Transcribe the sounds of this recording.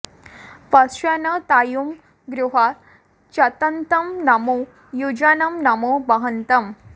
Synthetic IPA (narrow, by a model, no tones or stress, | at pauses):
pɐɐnət̪ajum | ɡɾuɦa | t͡ɕɐt̪ənt̪ɐmnɐmu | jud͡ʑanɐmnɐmubɐɦɐnt̪ɐm